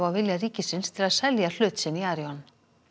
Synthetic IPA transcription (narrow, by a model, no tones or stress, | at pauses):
awvɪljariːcɪsɪnst̪ʰɪlaðsɛljal̥ʏːt̪sɪnːiaːɾjɔn